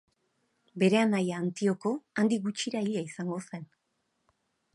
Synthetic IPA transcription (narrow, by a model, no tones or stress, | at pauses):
be̞ɾe̞anajaːnt̪io̞ko̞and̪iɡut͡ʃiɾaiʎiaisaŋɡo̞se̞n